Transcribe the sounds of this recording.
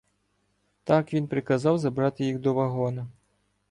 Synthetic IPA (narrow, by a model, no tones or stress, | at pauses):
t̪ɑkʋʲinpɾɪkɐzɑwzɐbɾɑt̪ɪjixd̪ɔʋɐɦɔnɐ